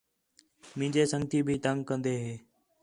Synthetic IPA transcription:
mɪ̃ːɲd͡ʒeːsəŋɡt̪iːbʱiːt̪əŋɡkə̃nd̪eːɦeː

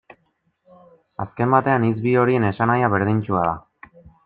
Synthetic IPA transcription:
aske̞mbat̪e̞anizβio̞ɾie̞ne̞sanajaβe̞ɾðiɲt͡ʃuaða̰

